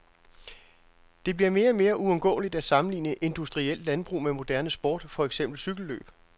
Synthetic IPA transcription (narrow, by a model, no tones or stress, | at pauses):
d̥e̝b̥liɐme̝ːɐme̝ːɐʔuɒ̽mɡ̥ɔ̰ːlid̥æ̥sɑ̈mn̩lḭːnəʔe̝nd̥usd̥ʁiel̰d̥lænb̥ʁṵːmemo̝d̥æɐnəsb̥ɒ̰ːd̥fɒ̽eɡ̥sem̰b̥l̩syɡ̥l̩lø̰ːb̥